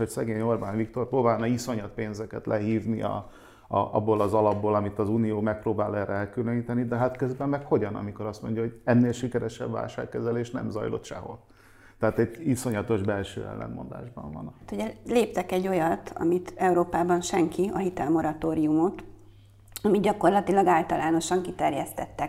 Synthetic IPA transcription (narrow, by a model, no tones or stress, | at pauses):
hocsɛɡeːɲo̞rbaːnvikt̪o̞rproːbaːlnɒiso̞ɲɒt̪̚peːnzɛkɛt̪lʔɛɦiːvniʔɒ̰ | ʔɒbːolɒzɒlɒbːoːlɒmit̪ɒzuːnijoːmɛk̚proːbaːlɛːɾɛɛlkyløniːt̪ɛnid̪ɛɦat̪køzbɛmːɛkho̞ɟɒnɒ̰miko̞ɾɒst̪mo̞ɲɟjɒɦo̞ɟɛnːeːlʃikɛɾɛʃɛ̰bva̰ːlʃa̰ːkːɛzɛleːʃnɛ̰mzɒ̰jlo̞̰t̪ʃɛ̰ɦo̞̰l | t̪ɛaːt̪ɛɟiso̞ɲɒt̪o̞ʒbɛlʃø̰ːɛ̰lːɛ̰nmo̞̰nd̪a̰ːʒbɒ̰ɱvɒ̰nt̪uɟɛleːpt̪ɛkɛɟːo̞jɒt̪ʰɒ̰mit̪ɛuɾoːpaːbɒnʃɛŋkiɒɦit̪ɛlmo̞ɾɒt̪oːɾijumo̞t̪ | ɒmid̪ɟɒko̞rlɒt̪ilɒɡaːlt̪ɒlaːno̞ʃɒŋkit̪ɛrjɛst̪ɛt̪ːɛk